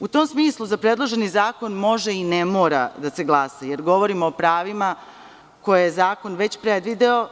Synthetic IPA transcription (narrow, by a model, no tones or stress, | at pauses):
ut̪oːmsmiːslˠuzapɾe̞d̪lˠo̞ʒe̞nizaːko̞nmo̞ʒeinemoːɾa̰d̪ase̞ɡlˠasaje̞ɾɡo̞ʋo̞ɾimoːpɾaːʋima | ko̞jejezaːko̞nʋe̞t͡ɕpɾed̪ʋid̪eo